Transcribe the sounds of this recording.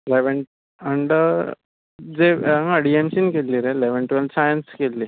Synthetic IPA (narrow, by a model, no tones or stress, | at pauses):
leʋəɳ | əɳɖə | d͡zeəɽiemsiːnkelːiɾeleʋəɳʈʋensajənskelːi